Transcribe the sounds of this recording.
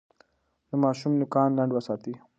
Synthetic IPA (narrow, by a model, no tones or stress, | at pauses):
d̪əmɑːʃumnʊkɑːnlaɳɖwasɑːt̪i